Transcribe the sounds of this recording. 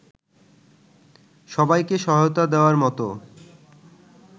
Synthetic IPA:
ʃɔbajkeʃɔɦajot̪ad̪eoaɾmɔt̪o̰

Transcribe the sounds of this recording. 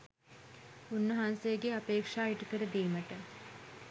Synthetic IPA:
unːəɦansejəɡeapeːkʂaːiʈukəɾəd̪iːməʈə

